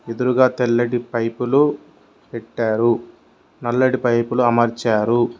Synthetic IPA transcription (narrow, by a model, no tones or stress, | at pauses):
ed̪uɾuɡaːt̪elːɐɽipɐjpulu | peʈːaːɾu | nɐlːɐɽipɐjpuluɐmɐɾt͡ʃaːɾu